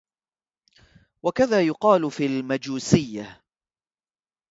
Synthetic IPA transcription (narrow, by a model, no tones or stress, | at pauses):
wakaðaːjʊqɑːlfiːlmad͡ʒuːsɪjːa